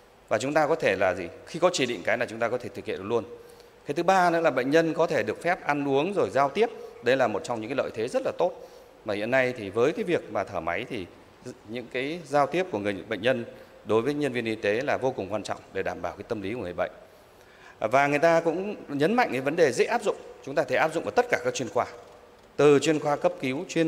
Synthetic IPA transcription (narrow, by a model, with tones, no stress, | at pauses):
vaː˨˩t͡ɕʊ˨˦ŋ͡mt̪aː˧kɔ˨˦t̪ʰe˧˩laː˨˩zi˨˩xi˧kɔ˨˦t͡ɕi˧˩ɗḭ˧˨ŋ̟kaː˨˦jnaː˨˩t͡ɕʊ˨˦ŋ͡mt̪aː˧kɔ˨˦t̪ʰe˧˩t̪ʰk̚hḭ˧˨˩lu˧ən | kaː˨˦t̪ʰɨ˨˦ɓaː˧nə̰˧˥laː˨˩ɓə̰˧˨ŋ̟ɲə˧nkɔ˨˦t̪ʰe˧˩ɗɨ˨˩ək̚fɛ˦˥p̚ʔa˧nʔu˨˦əŋzo˨˩jzaː˧wt̪i˦˥əp̚ɗə˧jlaː˨˩mo˨˩t̚t͡ɕɔ˧wŋ͡mɲɨ̰˧˥kːa˨˦lə̰˧˨jt̪ʰe˨˦zə˦˥t̚laː˨˩t̪o˦˥t̚ | vaː˨˩hḭ˧˨ənːa˧jt̪ʰi˨˩vəː˨˦jkaː˨˦jvi˨˩ək̚maː˨˩t̪ʰəː˧˩ma˨˦jt̪ʰi˨˩ | ɲɨ̰˧˥ŋkaː˨˦jzaː˧wt̪i˦˥əp̚ku˧˩əŋɨ˨˩əjɓə̰˧˨jŋɲə˧n | ɗo˨˦jvəː˨˦jɲə˧nvi˧ənʔi˧t̪e˨˦laː˨˩vo˧kʊ˨˩ŋ͡mkwaː˧nt͡ɕɔ̰˧˨wŋ͡mɗe˧˩ɗaː˧˩mɓaː˧˩wkaː˨˦t̪ə˧mli˨˦kːɓə̰˧˨ŋ̟ | vaː˨˩ŋɨ˨˩əjt̪aː˧kʊ̰˧˥ŋ͡mɲə˨˦nma̰˧˨ŋʔɨ˧˨˩və˨˦nɗe˨˩zə̰˧˥ʔaː˦˥p̚zʊ̰˧˨ŋ͡mt͡ɕʊ˨˦ŋ͡mt̪aː˧t̪ʰe˧˩ʔaː˦˥pzʊ̰˧˨ŋ͡mʔaː˧˩t̪ə˦˥t̚kaː˧˩kaː˦˥k̚t͡ɕwi˧ənxwaː˧ | t̪ɨ˨˩t͡ɕwi˧ənxwaː˧kə˦˥p̚ki˨˦wt͡ɕwi˧ə